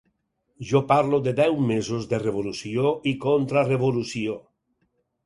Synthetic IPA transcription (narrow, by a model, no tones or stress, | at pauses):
ʒopaɾloðedɛwmezozðereβ̞olusjoikont̪ɾareβolusjo